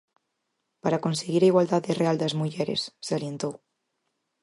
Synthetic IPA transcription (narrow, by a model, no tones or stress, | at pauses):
paɾakonseɣiɾaiɣwald̪aðereald̪ɐzmuʝɛɾḛsːealjent̪ow